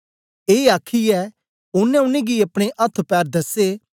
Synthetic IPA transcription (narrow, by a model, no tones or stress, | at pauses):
eːaːkʰiɛː | ʊnːɛ̃ʊnẽɡiɐpɽ̃eʔɐt̪ʰːpɛːɾd̪ɐse